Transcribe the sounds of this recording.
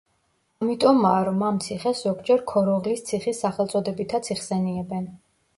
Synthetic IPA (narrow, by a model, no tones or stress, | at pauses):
amit̪ʼɔmaɾɔmamt̪sʰiχɛszɔɡd͡ʒɛɾkʰɔɾɔʁlist̪sʰiχisːaχɛlˠt̪sʼɔd̪ɛbit̪ʰat̪sʰiχsɛniɛbɛn